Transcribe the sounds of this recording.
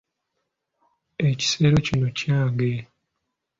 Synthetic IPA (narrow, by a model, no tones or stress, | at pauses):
eci̥se̞ːɾo̞cinocaːŋɡe